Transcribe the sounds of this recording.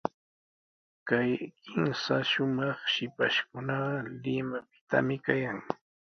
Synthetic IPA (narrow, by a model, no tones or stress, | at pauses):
kajkɪnsaʃʊmɑχʃɪpaʃkʊnɑɢɑlɪmap̚ɪ̥t̪a̰mɪkajaŋ